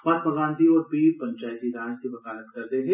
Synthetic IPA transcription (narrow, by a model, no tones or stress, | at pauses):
mat̪̚bʱɐɡãːnt̪iɔːɾbʱipɐ̃ɲt͡ʃaːjt̪iɾaːt͡ʃkibɐkaːɾət̪kɐɾt̪eɦɛ̃